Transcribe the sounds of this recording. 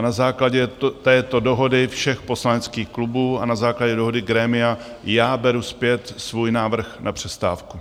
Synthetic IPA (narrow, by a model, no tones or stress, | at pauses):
nazaːklaɟɛt̪ɛːt̪o̞do̞ɦo̞dɪfʃɛxpo̞slanɛt͡skiːxklubuːanazaːklaɟɛdoɦo̞dɪɡɾɛːmɪa | jaːbɛɾuspjɛt̪svuːjnaːvr̩xnʔapr̥ɛst̪aːfku